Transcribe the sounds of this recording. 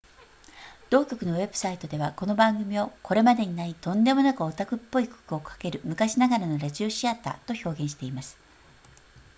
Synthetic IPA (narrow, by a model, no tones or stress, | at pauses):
d̪̥o̞ːkʲo̞kɯ̟no̞βe̞bɯ̟sait̪o̞d̪e̞βako̞no̞bãŋɡɯ̟mʲio̞kʰo̞ɾe̞mad̪e̞ɲ̟inait̪õ̞nd̪e̞mo̞nakɯ̟ot̪akɯ̟pːo̞iko̥kɯ̟o̞kʰḁke̞ɾɯ̟mɯ̟kaɕinaɡaɾano̞ɾaʑio̞ɕiat̪a̰t̪o̞ço̞ːɡẽ̞ɰ̃ɕi̥t̪e̞imasɨ̥